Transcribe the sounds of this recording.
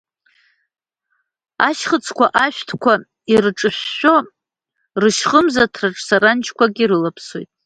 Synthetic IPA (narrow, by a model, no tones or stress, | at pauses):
aʃχət͡sʰkʷaʔaʃʷᶣtʰkʷʰa | irʈ͡ʂʼɨɕʷːo | rɨʃχʼəmzatʰraʈ͡ʂʼsaɾant͡ʃʰkʷaɡʲiɾɨlapʰswojtʼ